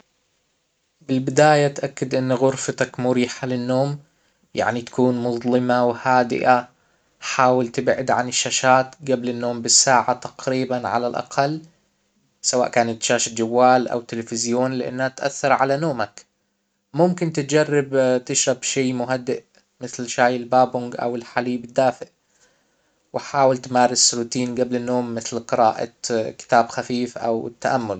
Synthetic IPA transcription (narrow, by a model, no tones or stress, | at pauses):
bɪlbɪd̪aːjat̪ʔakːɪd̪ʔɪnːɣʊɾfat̪akmʊɾiːħalɪnːoːm | ja̰ʕnit̪ḁkuːnmʊðˤlɪmawhaːd̪ɪ̰ʔa | ħaːwɪlt̪ɪbʕɪd̪ʕanɪʃːaːʃaːt̪ɡablɪnːoːmbɪsːaːʕat̪ḁqɾiːbanʕa̰la̰lʔa̰qʰɑlː | sawa̰ːʔkaːnat̪ʃaːʃad͡ʒawːaːlʔa̰wt̪ːɪlfɪzjoːnlɪʔɪ̰nːhat̪ʔa̰θːɑɾˤʕa̰lanoːmak | mʊmkɪnt̪ɪt̪d͡ʒɑrˤːɑbt̪ɪʃɾˤɑbʃiːmʊɦad̪ːɪʔ | mɪθlʃaːjɪlbaːbʊŋɡʔa̰wɪlħaliːbɪd̪ːaːfɪʔ | wɪħaːwalt̪maːɾɪsːʊluːt̪iːnɡablɪnːoːmːɪθlqɨɾa̰ːʔa̰kɪ̥t̪aːbxafiːfʔa̰wɪ̰t̪ːaʔamːʊl